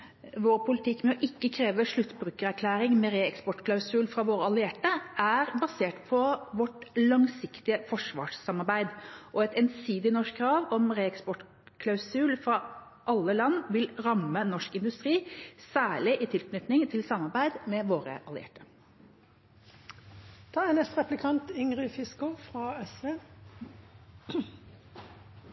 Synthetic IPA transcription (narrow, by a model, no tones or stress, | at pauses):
ʋoːɾpʰʊlɪt̪ʰɪkːmɛɔʔɪkːəkʰɾeːʋəʂɭʉt̪ːbɾʉːkəɾæɾkʰlæːɾɪŋmɛɾeːɛkspɔʈkʰlɑʉsʉːlfɾɑʋoːɾəɑlɪɛʈːəæɾbɑseːʈpʰɔʋɔʈlɑŋsɪkt̪ɪəfɔʂʋɑ̰ːʂsɑmɑɾbæɪd̪ʔɔɛt̪ɛnsiːd̪ɪnɔʂkkʰːɾɑːʋɔmɾeːɛkspɔʈ | kʰlɑʉsʉːlfɾɑ | ʔɑlːəlɑnːʋɪlɾɑmːənɔʂkɪnd̪ʉst̪ɾiːsæːɭɪʔɪt̪ʰɪlknʏt̪nɪŋt̪ʰɪlsɑmːɑɾbæɪd̪mɛʋoːɾə̰ʔɑlɪ̰ḛːʈə̥ | d̪̥ɑːænɛst̪ʁɛplɪkʰɑnt̪ʏŋʁɪfɪskʊfʁɑːɛsʋeː